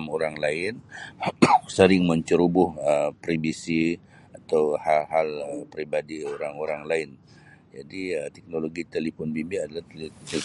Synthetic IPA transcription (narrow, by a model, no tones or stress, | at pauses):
moɾaŋlaɪn | səɾɪŋməɲt͡ʃəɾubʊhəpɾibisi | at̪awhahaləpɾibadioɾaŋoɾaŋlaɪn | d͡ʒadiət̪ɛk̚noloɡit̪ɛlifɔnbibiadalaht̪lt̪